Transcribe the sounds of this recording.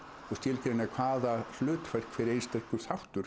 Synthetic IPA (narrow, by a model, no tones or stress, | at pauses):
ɔɣst̪ɪlkɾeɪnakʰvaːðahlʏːt̪fɛr̥kfɪɾɪejnst̪ɛhkʏθawht̪ʏɾ̥